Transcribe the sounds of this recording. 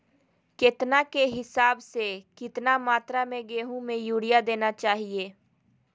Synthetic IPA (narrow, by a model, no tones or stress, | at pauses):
ket̪nakeɦɪsaːbsekɪt̪namaːt̪ɾamẽɡeːɦũmẽjuːɽijad̪eːnat͡ʃaːɦieː